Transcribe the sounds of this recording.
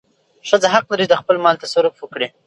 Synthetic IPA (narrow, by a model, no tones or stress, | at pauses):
ʂəzaɦaqlaɾid̪əxpəlmɑlt̪asaɾʊfwəkɽi